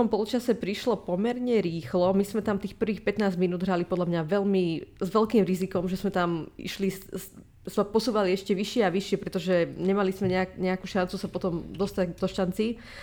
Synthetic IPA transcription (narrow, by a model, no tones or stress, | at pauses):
ɔmpɔlut͡ʃasɛpɾiʃlɔpɔmɛɾɲɛɾiːxlɔmismɛt̪amt̪iːxpr̩ʋiːxpɛt̪naːzminuːd̪ɦɾalipɔd̪ʎamɲaʋɛlmizʋɛʎkiːmɾizikɔmʒɛzmɛt̪amḭʃlis | zmɛpɔsuːʋaliɛʃcɛʋiʃɪɛaʋiʃɪɛpɾɛt̪ɔʒɛɲɛmalizmɛɲɛakɲɛakuːʃant͡susapɔt̪ɔmd̪ɔst̪ad̪ɔʃant͡si